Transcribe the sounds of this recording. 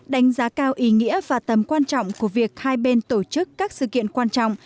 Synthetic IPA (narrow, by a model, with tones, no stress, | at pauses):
ɗa˨˦jŋ̟zaː˨˦kaː˧wʔi˨˦ŋḭ˧˥əvaː˨˩t̪ə˨˩mkwaː˧nt͡ɕɔ̰˧˨wŋ͡mku˧˩əvi˨˩ək̚haː˧jɓe˧nt̪o˧˩t͡ɕɨ˦˥kːaː˦˥k̚sɨ̰˧˨kḭ˧˨ənkwaː˧nt͡ɕɔ̰˧˨wŋ͡m